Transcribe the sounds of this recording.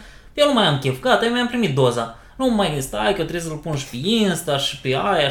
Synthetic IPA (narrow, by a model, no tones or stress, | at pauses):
jewnumajamkʲefkat̪ajemajampɾimit̪̚d̪o̞za | numajinst̪ajkət̪ɾesəlpunʃpeinst̪aʃi̥peaja